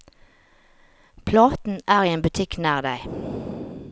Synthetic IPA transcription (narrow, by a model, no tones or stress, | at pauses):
pʰlɑːt̪n̩ʔæːʁiːeːnbʉt̪ʰɪknæːʁd̪æɪ